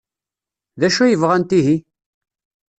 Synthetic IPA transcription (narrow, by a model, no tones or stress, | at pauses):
ðæʃujəvʁænt̪iɦi